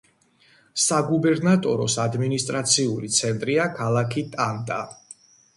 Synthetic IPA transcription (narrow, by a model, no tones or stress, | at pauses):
saɡubɛɾnat̪ʼɔɾɔsad̪minist̪ʼɾat̪sʰiulit̪sʰɛnt̪ʼɾiakʰalˠakʰit̪ʼand̪ʼa̰